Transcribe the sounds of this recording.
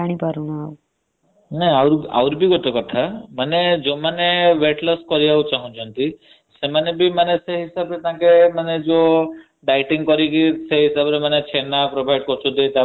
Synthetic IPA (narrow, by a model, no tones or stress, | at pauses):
aɽ̃ipaɾũnaaw | nɛawɾa̰wɾibʱiɡɔt̪ekɔt̪ʰamaned͡ʒomaneʋeʈlɔskɔɾijawt͡ʃaɦũt͡ʃʰɔnt̪i | semanebʱimaneseɦisabɾet̪ãkemaned͡ʒo | ɖajʈiŋɡkɔɾikiseɦisabɔɾemanet͡ʃʰenapɾobʱajɖkɔɾt͡ʃʰũd̪et̪a